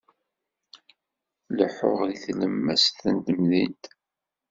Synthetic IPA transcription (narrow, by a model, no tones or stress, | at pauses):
ləħʊʁðiθləmːæ̰sθənt̪əmðint̪